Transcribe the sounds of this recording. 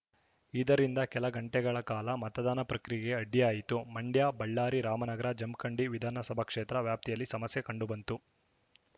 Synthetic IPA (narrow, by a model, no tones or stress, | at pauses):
id̪ɐɾind̪ɐkɛlɐɡɐɳʈɛɡɐɭɐkaːlɐmɐt̪ɐd̪aːnɐpɾɐkɾijeɡeɐɖːijaːjit̪umɐɳɖjaːbɐɭːaːɾiɾaːmɐnɐɡɐɾɐd͡ʒɐmkɐɳɖiʋid̪ʱaːnɐsɐbʱɐkʂeːt̪ɾɐʋjaːp̚t̪ijɐlːisɐmɐsjɐkɐɳɖubɐnt̪u